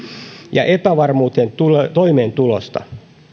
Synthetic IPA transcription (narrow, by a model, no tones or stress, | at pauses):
jɑ̰ʔepæʋɑrmuːt̪ent̪ut̪oimeːnt̪ulost̪ɑ̰